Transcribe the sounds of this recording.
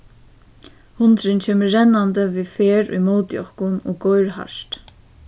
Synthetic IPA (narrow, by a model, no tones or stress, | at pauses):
hʊnt̪ɾɪnt͡ɕʰeːməːɛnːand̪əviːfeːɾʊ̰jmoːt̪jɔ̰hkʊnɔːɡɔjɹha̰ʂt̪